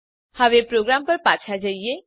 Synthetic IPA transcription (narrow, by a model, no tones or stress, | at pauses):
haʋepɾoɡɾampəɾpat͡ʃʰad͡ʒaije